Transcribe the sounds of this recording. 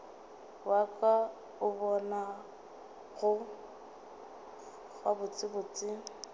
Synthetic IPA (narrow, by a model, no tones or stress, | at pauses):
wakʼa | ʊbɔna | ɣʊ | ɣabʊt͡sʼɪbʊt͡sʼɪ